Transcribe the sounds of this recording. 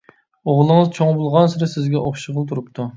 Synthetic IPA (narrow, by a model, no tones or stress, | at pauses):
oʁlˠɨŋɨzt͡ʃʰoŋbulˠʁɑnsɪɾɪsɪzɡʲɛʔoχʃəʁəlˠt̪ʰuɾup̚t̪ʰu